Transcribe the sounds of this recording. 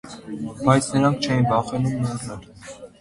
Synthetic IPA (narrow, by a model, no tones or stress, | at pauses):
bɑjt͡sʰnəɾɑŋkʰt͡ʃʰɛjinbɑχɛnumnɔɾnəɾ